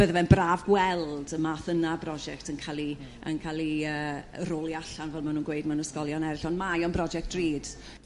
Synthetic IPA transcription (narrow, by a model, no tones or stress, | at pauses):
b̥əðavɛnbraːvɡwɛlˠdəmaθənabrɔd͡ʒɛk̚tʰənkʰaːlˠi | ə̰nkʰalˠiəːrolˠiaɬanvɛlˠmanuːnɡweɨdmanuskɔlˠjɔnɛɾɪɬɔnmajɔnbrɔd͡ʒɛk̚tʰriːd̥